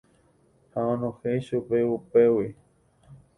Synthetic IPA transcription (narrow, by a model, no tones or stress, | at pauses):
haõnõhejʃupeupewi